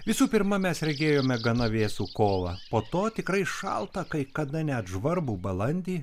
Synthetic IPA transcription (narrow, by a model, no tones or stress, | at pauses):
ʋʲɪsuːpʲɪɾmɐmʲɛsɾʲɛɡʲeːjoːmʲɛɡɐnɐʋʲeːsuːkoːʋɐpoːt̪oːt̪ʲɪkɾɐɪʃɐ̰lˠt̪ɐkɐɪkɐd̪ɐnʲɛt̪ʒʋɐɾbuːbɐlˠɐnʲd̪ʲiː